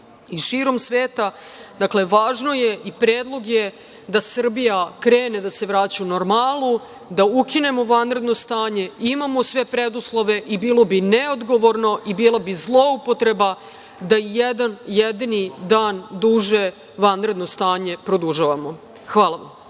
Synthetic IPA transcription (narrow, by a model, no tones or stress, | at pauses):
iʃiːɾo̞msʋeːt̪ad̪akle̞ʋaːʒno̞jeʔipɾeːd̪lˠo̞ɡje | d̪asr̩bijakɾeːned̪ase̞ʋɾaːt͡ɕaunoɾmaːlˠu | d̪aukine̞mo̞ʋanɾe̞d̪no̞st̪aːɲe̞imamo̞sʋe̞pɾed̪uslˠo̞ʋe̞ʔibiːlˠo̞bineod̪ɡo̞ʋo̞ɾno̞ʔibiːlˠabizlˠo̞upot̪ɾe̞ba | d̪aijɛd̪anjɛd̪inid̪aːnd̪uʒe | ʋanɾe̞d̪no̞st̪aːɲe̞pɾo̞d̪uʒaʋamo̞ | xʋaːlˠaʋa̰m